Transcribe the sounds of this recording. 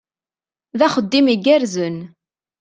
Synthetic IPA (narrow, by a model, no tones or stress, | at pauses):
ðæχəd̪ːimiɡæɾzən